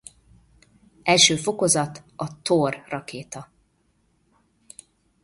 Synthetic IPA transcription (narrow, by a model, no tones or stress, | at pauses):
ɛlʃøːfo̞ko̞zɒt̪ɒt̪orːɒkeːt̪ɒ